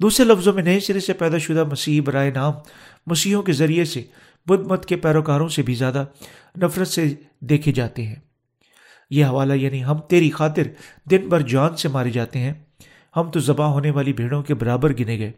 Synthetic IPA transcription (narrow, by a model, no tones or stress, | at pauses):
d̪uːsɾelɐfzõmẽnɐĩsɪɾəsepɛːd̪aʃʊd̪amɐsiːbɐɾaːenaːmː | ɐsiːɦõkezɐɾiese | bʊd̪̚mət̪kepɛːɾoːkaːɾõsebʱizjaːd̪a | nɐfɾət̪se | d̪eːkʰed͡ʒaːt̪eɦɛ̃ː | jeɦɐʋaːlajaːniɦɐmt̪eːɾixaːt̪ɪɾd̪ɪnbɐɾd͡ʒʊaːnsemaːɾed͡ʒaːt̪eɦɛ̃ː | hɐmt̪ozɐbaɦoːneʋaːlibʱeːɽ̃õkebɐɾaːbəɾɡɪneɡɐeː